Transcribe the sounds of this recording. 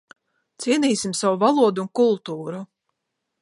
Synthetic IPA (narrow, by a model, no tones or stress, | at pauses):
t̪siɛniːsimsawuvalˠuɔd̪uunkulˠt̪uːɾu